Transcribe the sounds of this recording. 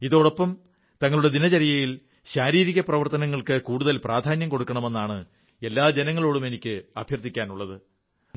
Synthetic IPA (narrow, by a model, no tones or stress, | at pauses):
iðo̞ːɽopːɐm | t̪ɐŋːɐɭuɽe̞d̪inɐt͡ɕɐɾijɐjil | ɕaːɾiːɾiɣɐprɐʋɐrt̪ɐnɐŋːɐɭkɨkuːɽuðɐlpraːd̪ʱaːnjɐmko̞ɽukːɐɳɐme̞nːaːɳɨ | e̞lːaːd͡ʑe̞nɐŋːɐɭo̞ːɽume̞nikʲːɨɐbʱjɐrt̪ːikʲːaːnuɭːɐðɨ